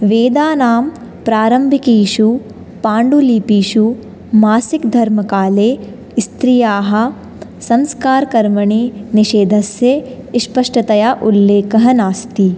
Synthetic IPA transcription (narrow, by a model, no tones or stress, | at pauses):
ʋeːd̪aːnaːm | pɾaːɾɐmbʱikiːʃu | paːɳɖuliːpiːʃu | maːsikd̪ʱɐɾmɐkaːleː | st̪ɾijaːɦɐ̆ | sɐ̃mskaːɾkɐɾmɐɳiniʃeːd̪ʱɐsjeʃpɐʂʈɐt̪ɐjaːʔulːeːkɐɦɐnaːst̪i